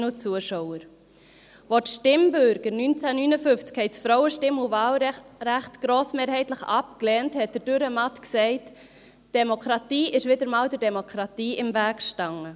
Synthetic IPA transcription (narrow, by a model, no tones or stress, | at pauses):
nut͡suəʃɔʊəɾ | votʃtɪmbʏɾɡ̥əɾnynt͡sænynəfʏft͡skhɛɪsfɾɔwəʃtɪmuvɑːlɾæχtɡ̥ɾoːsmeːɾhɛɪtləχɑpklɛːnthɛt̚d̥əd̥øɾəmɑtksɛɪt | d̥ɛmokʰɾɑtiːʔɪʃʋɪdəɾmɑːldəɾdɛmokʰɾɑtiːɪmvæːkʃtɑŋə